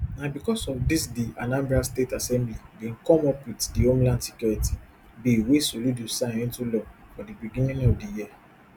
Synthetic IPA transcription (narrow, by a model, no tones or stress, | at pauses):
nãbikɔsɔfdisdianãmbastetasɛ̃mblidẽŋ̩kɔmɔpwitdiõmlãnsi̥kjoɹiti̥ | biiwesoludusãĩntulɔfɔdibiɡĩnĩŋɔfdijia